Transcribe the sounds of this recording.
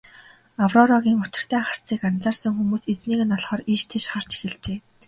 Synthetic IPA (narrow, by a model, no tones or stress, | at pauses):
awrɔɾɔɣʲiːŋʊt͡ɕɪ̆r̥t̪ʰæːχar̥t͡siːkant͡saːrsə̆ŋxumuːset͡sniːɣɘ̆nɔɮχɔːriʃt̪ʰeʃχar̥t͡ɕi̥xɘ̆ɮt͡ɕeː